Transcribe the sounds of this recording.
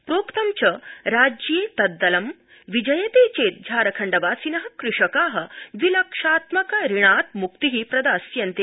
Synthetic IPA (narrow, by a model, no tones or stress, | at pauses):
pɾoːkt̪ɐmt͡ɕɐɾaːd͡ʒjeːt̪ɐd̪ːɐlɐm | ʋid͡ʒɐjɐt̪eːt͡ʃeːt̪̚d͡ʑʱaːɾɐkʰɐɳɖɐʋaːsinɐɦɐ̆kɾɪʂɐkaːɦɐ̆ʋilɐkʂaːt̪mɐkɐɾiɳ̃aːt̪̚mukt̪iɦipɾɐd̪aːsjɐnt̪e